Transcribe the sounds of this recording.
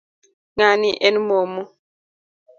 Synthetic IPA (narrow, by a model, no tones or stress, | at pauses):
ŋaniʔɛnmomu